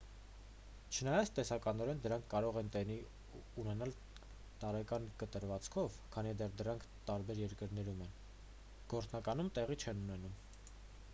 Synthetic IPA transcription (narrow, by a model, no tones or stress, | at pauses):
t͡ʃʰənɑjɑt͡sʰt̪ɛsɑkɑnɔɾɛnd̪əɾɑŋkʰːɑɾɔʁɛnt̪ɛni | unɛnɑl | t̪ɑɾɛkɑnkət̪əɾvɑt͡skʰɔvkʰɑnid̪ɛrd̪əɾɑŋkʰt̪ɑɾbɛɾjɛɾkəɾn̪ɛɾumɛn | ɡ̥ɔɾt͡snɑkɑnumt̪ɛʁit͡ʃʰɛnunɛnum